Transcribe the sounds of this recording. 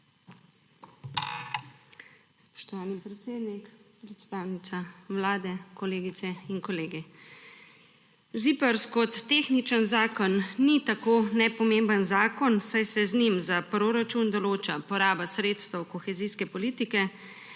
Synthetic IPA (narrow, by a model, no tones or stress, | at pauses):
spɔ̥ʃt̪ɔʋaːnipɾɛt̪seːd̪nikpɾɛt̪st̪aːwnit̪saʋlaːd̪ɛkɔleːɡit̪sɛinkɔleːɡi | zipəɾskɔt̪ːexnit͡ʃənzaːkɔnːit̪akoːnɛpɔmembənzaːkɔnsajsɛznimzapɾoːɾat͡ʃund̪ɔloːt͡ʃapɔɾaːbasɾeːt̪st̪əwkɔxɛziskɛpɔliːt̪ikɛ